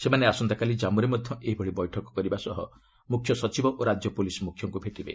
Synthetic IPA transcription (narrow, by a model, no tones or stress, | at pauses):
semaneasɔnd̪akalid͡ʒamuɾemɔd̪ʱjɔʔeɦibʱɔɭibɔjʈʰɔkɔ̥kɔɾibasɔɦɔ | mukʰjɔsɔt͡ʃibɔʔoɾad͡ʒjɔpulisɔmukʰjɔŋkubʱeʈibḛ